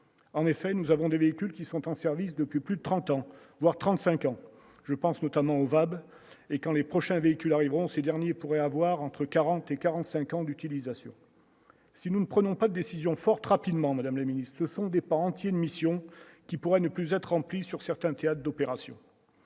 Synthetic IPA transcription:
ɑ̃nefɛnuzavɔ̃d̪eveikʲylkʲisɔ̃t̪ɑ̃sɛʁvisd̪əpɥiplyd̪ət̪χɑ̃t̪ɑ̃ | vwaʁt̪χɑ̃t̪sɛ̃kɑ̃ | ʒ̥əpɑ̃snɔt̪amɑ̃ovab | ekɑ̃lepχɔʃɛ̃veikʲylaʁivʁɔ̃sed̪ɛʁnjepuʁɛavwaʁɑ̃t̪χəkaʁɑ̃t̪ekaʁɑ̃t̪sɛ̃kɑ̃d̪yt̪ilizasjɔ̰̃ | sinunəpχənɔ̃pad̪əd̪esizjɔ̃fɔʁt̪ʁapid̪mɑ̃mad̪amləminist̪səsɔ̃d̪epãɑ̃t̪jenmisjɔ̃kʲipuʁɛnəplyzɛt̪χʁɑ̃plisyʁsɛʁt̪ɛ̃t̪eat̪χd̪ɔpeʁasjɔ̰̃

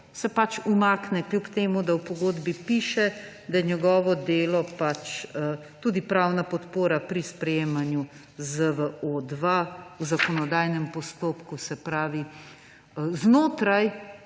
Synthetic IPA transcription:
sɛpat͡ʃumaːknɛklʲjupt̪eːmud̪awpɔɡoːd̪bipiːʃɛ | d̪ajɛɲɛɡɔːʋɔd̪eːlɔpat͡ʃt̪uːd̪ipɾawnapɔt̪poːɾapɾispɾɛjeːmanju | zəʋəoːd̪ʋawzakɔnɔd̪aːjnɛmpɔst̪oːpkusɛpɾaːʋi | znoːt̪ɾaj

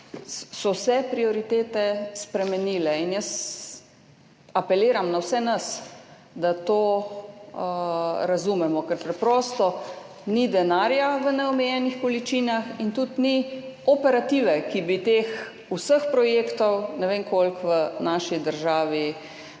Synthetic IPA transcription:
sɔwsɛpɾioɾit̪eːt̪ɛspɾɛmɛniːlɛinjəs | apɛleːɾamnawsɛnɐs | d̪at̪oː | ɾazumɛmɔkɛɾpɾɛpɾɔːst̪ɔ | nid̪ɛnaːɾjaʋənɛɔmɛjɛnixkɔlit͡ʃinaxint̪ut̪niɔpɛɾat̪iːʋɛkibit̪ex | usəxpɾɔjeːkt̪ɔwnɛʋeːnkolkʋənaːʃid̪əɾʒaːʋi

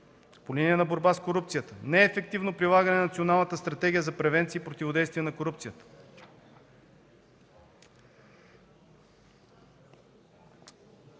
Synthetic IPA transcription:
poliniɛnɐboɾbaskoɾupt̪sijət̪ənɛːfɛk̚t̪ivnopɾilˠaɡənɛnnɐt̪sionalˠnət̪əst̪ɾɐt̪ɛɡʲijəzɐpɾɛvɛnt̪siːpɾot̪ʲivod̪ɛjst̪vijɛnɐkoɾup̚t̪sijət̪ə̥

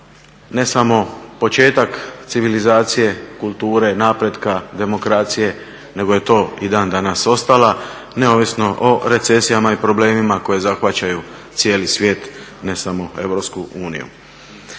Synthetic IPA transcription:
ne̞samo̞po̞t͡ʃe̞ːt̪akt̪siʋilizaːt̪sije̞kulˠt̪uːɾe̞naːpɾe̞d̪kad̪e̞mo̞kɾat̪sije̞ | ne̞ɡoje̞t̪o̞ːid̪aːnd̪anaso̞st̪ala | ne̞o̞ʋisno̞ʔoɾe̞t̪se̞sijamaipɾo̞ble̞ːmimako̞je̞zaxʋat͡ɕaju | t̪sje̞ːlisʋje̞ːt̪ne̞samo̞e̞̰ʋɾo̞pskuuːnḭjṵ

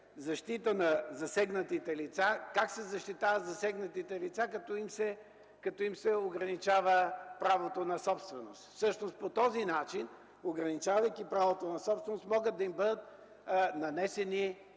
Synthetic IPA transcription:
zɐʃt̪it̪ənɐzɐsɛɡnət̪it̪ɛlit̪sakaksɛzɐʃt̪it̪avət̪zɐsɛɡnət̪it̪ɛlit̪sakɐt̪ɔimsɛ | kɐt̪ɔimsɛoɡɾɐnit͡ʃavəpɾavot̪onɐsɔpst̪vɛnost̪fsɤʃnost̪pot̪ɔzinat͡ʃin | oɡɾɐnit͡ʃavəjkʲipɾavot̪onɐsɔpst̪vɛnost̪mɔɡəd̪̚ɐimbɤd̪ət̪ | nɐnɛsɛni

